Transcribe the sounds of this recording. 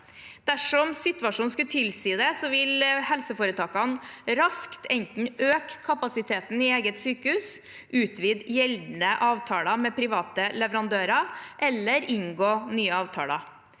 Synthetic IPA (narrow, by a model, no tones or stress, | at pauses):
d̪̥æʂɔmsɪt̪ʉʋɑʂuːnskʉt̪ʰɪlsiːd̪ɛsɔʋɪlhɛlsəfoːɾət̪ʰɑːkɑnɾɑskt̪ʰɛnt̪n̩ʔøːkkʰːɑpɑsɪt̪ʰeːt̪n̩ɪeːɡət̪syːkəhʉːs | ʔʉːt̪ʰʋiːd̪jɛld̪nəʔɑːʋt̪ʰɑːlɑmɛpʰɾɪʋɑːt̪əlɛʋəɾɑnd̪øːɾɑʔɛlːəɾɪŋɡoːnyːəɑːʋt̪ʰɑ̰ːlɑ̰